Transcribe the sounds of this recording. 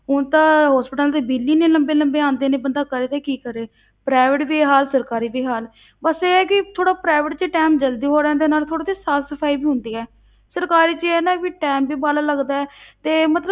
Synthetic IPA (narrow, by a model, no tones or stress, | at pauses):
ɦʊnt̪ãːɦɔːspɪʈəlt̪eːbiːliːneːləmbeːləmbeːãːnd̪eːnẽːbənd̪aːkəɾeːd̪eːkiːkəɾeː | pɾaːʋəʈbiːɦaːlsəɾkaːɾiːbiːɦaːl | bəseːɛːkɪt̪ʰoːɽaːpɾaːɪʋəʈt͡ʃeʈɛːmd͡ʒəld̪iːɦoːɾɛ̃ːnd̪eːnaːlt̪ʰoːɽaːt̪eːsaːlsəpʰaːiːbiːɦʊ̃nd̪iːɛː | səɾkaːɾiːt͡ʃeːnaʋiːʈɛːmbiːbaːlaːləɡd̪aːɛːt̪eːmət̪ləb